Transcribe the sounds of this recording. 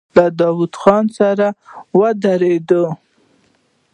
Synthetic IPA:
lad̪ɑwud̪xɑnsaɾawəd̪aɾed̪ə

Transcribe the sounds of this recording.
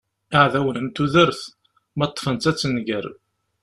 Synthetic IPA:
aʕðæwənəmt̪uðəɾθ | mɑt̪ˤːfənt̪æt͡sːənɡəɾ

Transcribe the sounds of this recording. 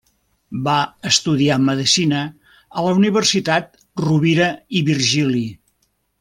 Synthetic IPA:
baəst̪uðiaməðisinə | ələuniβ̞ərsit̪at̪̚ | ruβiɾəiβirʒili

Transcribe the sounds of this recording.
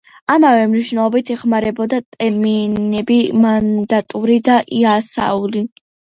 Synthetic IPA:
amavɛmniʃnɛlˠɔbit̪ʰɛχmaɾɛbɔd̪at̪ʼɛɾminɛbimand̪at̪ʼuɾid̪aʔiasa̰uli

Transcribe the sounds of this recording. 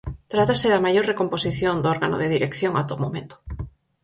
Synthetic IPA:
t̪ɾat̪asɪðɐmajoɾrekomposiθjond̪oɔɾɣano̰ðeðiɾekθjoŋat̪omomẽnt̪o̥

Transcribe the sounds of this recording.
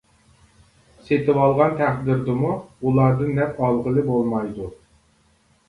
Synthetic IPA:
set̪ʰɪwɑlˠʁɑnt̪ʰæχd̪ɪɾd̪ɨmuulˠɑːd̪ɨnːɛpɑlˠʁəlˠɨbolˠmɑjd̪u

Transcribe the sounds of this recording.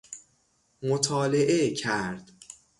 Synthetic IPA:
mot̪ʰɒːleʔecʰæɾd̪̥

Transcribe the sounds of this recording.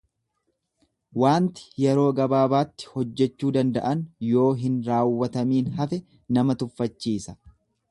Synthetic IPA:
waːnt̪ɪ̥jɛɾo̞ːɡɐbaːbaːt̪ːɪ̥hɔd͡ʒːɛt͡ʃːuːd̪ɐnd̪ɐ̰ʔɐnjo̞ːɦɪnɾaːwːɐt̪ɐmiːnhɐfɛ | nɐmɐt̪ʊfːɐt͡ʃːiːsɐ̥

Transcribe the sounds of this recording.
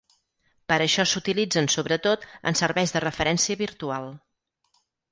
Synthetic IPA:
pəɾəʃɔsut̪ilid͡zənsoβɾət̪ot̪ə̰nsəɾβɛjzðərəfəɾɛnsiəβiɾt̪ualˠ

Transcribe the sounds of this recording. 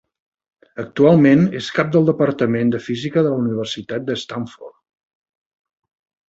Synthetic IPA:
ək̚t̪ualˠmeneskap̚d̪əlˠd̪əpəɾt̪əmend̪əfizikəðələuniβ̞ərsit̪at̪̚d̪əst̪aɱfɔ̰rt̪

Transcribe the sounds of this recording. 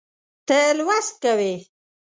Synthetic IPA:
t̪əlwast̪̚kawe

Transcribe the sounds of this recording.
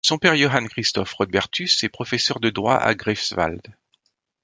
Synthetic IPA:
sɔ̃pɛʁjoɦankχist̪ɔfʁɔd̪bɛʁt̪ysɛpχɔfɛsœʁd̪əd̪ʁwa̰ʔa̰ɡʁɛfsva̰ld̪

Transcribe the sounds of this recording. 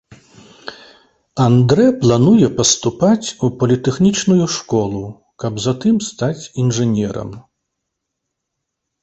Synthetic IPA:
and̪ɾɛplˠanujɛpɐst̪upat͡sʲupɐlʲit̪ɛxnʲit͡ʂnujuʂkɔlˠu | kɐbzat̪ɨmst̪at͡sʲinʐɛnʲɛɾɐ̰m

